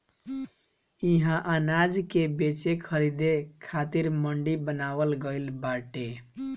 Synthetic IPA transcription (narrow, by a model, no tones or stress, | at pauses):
iɦãʔanad͡ʒkebet͡ʃekʰəɾid̪ekʰat̪iɾməɳɖibənabəlɡəɪlbaʈe